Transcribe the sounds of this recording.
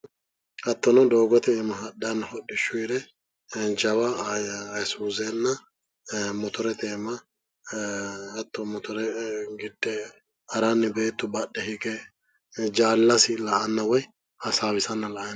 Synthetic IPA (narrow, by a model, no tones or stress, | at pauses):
ɐt̪ːɔnɔd̪oːɡɔt̪ɛːmɐɦɐdɐnːɐhɔɗːɪʃːʊɾɛ | d͡ʒɐwɐ | suːzɛnːɐ | mɔt̪ɔɾɛt̪eːmɐ | ɐt̪ːɔmɔt̪ɔɾɛɡɪd̪ːɛ | hɐɾanːɪbe̞ːt̪ːʊbɐɗːɛhɪkɛ | d͡ʒaːlːɐsɪlɐʔɐnːɐwɔj | hɐsaːwɪsɐnːɐlɐʔjɐn